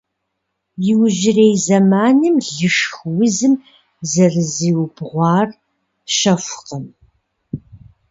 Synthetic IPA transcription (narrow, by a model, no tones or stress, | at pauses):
jɪwʒɪreːjzɐmaːnɨmɮɨʂxwʊzɨm | zɐrɨziːwʊbʰʁʷɑːr | ʃɐfʷʊqəm